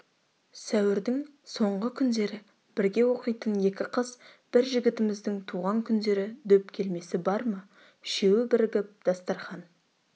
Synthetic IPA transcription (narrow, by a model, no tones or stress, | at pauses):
sæwɪɾd̪ɪŋso̞ɴʁəkʲʰʏnd̪e̞ɾɪ | b̥ɪɾɡʲe̞wo̞qəjt̪ənje̞kʲɪqʰəzb̥ɪɾʒɪɡʲɪt̪ɪmɪzd̪ɪŋt̪ʰuʁɑŋkʲʰʏnd̪e̞ɾɪd̪ɵpkʲʰe̞lme̞sɪbɑɾmə | ʃewɪbɪɾɪɡʲɪp̚d̪̥ɑst̪ɑɾχɑn